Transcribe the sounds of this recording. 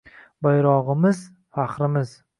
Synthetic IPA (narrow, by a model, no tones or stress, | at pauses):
bajɾɒʁɨmɪz | faχɾɪmɪz